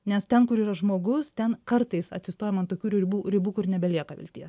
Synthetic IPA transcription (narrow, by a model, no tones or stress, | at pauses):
nʲɛst̪ʲɛnkʊɾiːɾɐʒmoːɡʊst̪ʲɛnkɐɾt̪ɐɪsɐ̰t̪ʲsʲɪst̪oːjɛmɐnt̪oːkʲuːɾʲɪbuːɾʲɪbuːkʊɾnʲɛbʲɛlʲiɛkɐʋʲɪ̰lʲt̪ʲḭɛs